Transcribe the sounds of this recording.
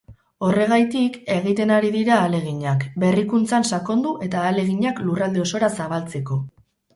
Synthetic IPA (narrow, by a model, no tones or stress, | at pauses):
o̞re̞ɣ̞ajt̪ike̞ɣ̞it̪e̞naɾiðiɾaːle̞ɣ̞iɲakbe̞rikunt͡sansako̞nd̪uʔe̞t̪aːle̞ɣ̞iɲaklurald̪e̞o̞so̞ɾasaβ̞alt͡se̞ko̞